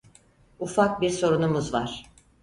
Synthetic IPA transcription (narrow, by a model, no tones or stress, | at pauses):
ufak̚biɾso̞ɾunumuzvaɾ̥